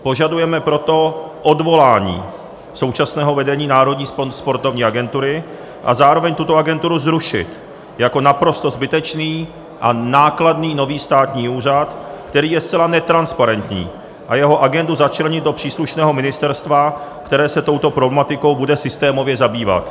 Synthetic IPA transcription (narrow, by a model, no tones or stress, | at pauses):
po̞ʒadujɛmɛpɾo̞t̪o̞ʔo̞dvo̞laːɲḭː | so̞wt͡ʃasnɛːɦo̞vɛdɛɲiːnaːɾo̞dɲiːspospo̞ɾt̪o̞vɲiːaɡɛnt̪uɾɪ | ʔa̰zaːɾo̞vɛɲt̪ut̪o̞aɡɛnt̪uɾuzɾuʃɪ̰t̪ | jako̞napɾo̞st̪o̞zbɪt̪ɛt͡ʃniː | ʔanaːkladniːno̞viːst̪aːt̪ɲiːuːr̝at̪kt̪ɛɾiːjɛst͡sɛlanɛt̪ɾanspaɾɛnt̪ɲḭː | ʔajɛɦo̞ʔaɡɛnduzat͡ʃlɛɲɪd̪̚do̞pr̥iːsluʃnɛːɦo̞mɪnɪst̪ɛɾst̪vakt̪ɛɾɛːsɛt̪o̞wt̪o̞pɾo̞blɛmat̪ɪko̞wbudɛsɪst̪ɛːmo̞vjɛzabiːva̰t̪